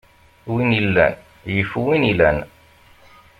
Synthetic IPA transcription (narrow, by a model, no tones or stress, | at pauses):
winilːæ̰n | jəfuwinilæn